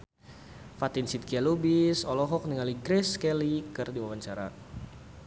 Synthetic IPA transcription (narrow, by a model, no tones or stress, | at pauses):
fat̪insit̪̚kialubisɔlɔɦɔk̚niŋaliɡɾɛskɛlikɨrdiwawaɲt͡ʃaɾa̰